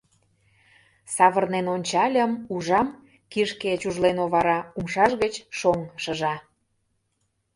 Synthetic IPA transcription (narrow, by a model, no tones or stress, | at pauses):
sɑβərnenonʲt͡ɕɑlʲəmuʒɑm | kiʃket͡ɕuʒlenoβɑɾɑumʃɑʃɣət͡ɕʃoŋʃəʒɑ